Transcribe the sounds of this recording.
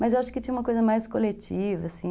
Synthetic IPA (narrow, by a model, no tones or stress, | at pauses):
mɐzewaʃʊ̥kɪt͡ʃĩɲ̃ɐ̃umɐkojzɐmajskolet͡ʃivɐsĩ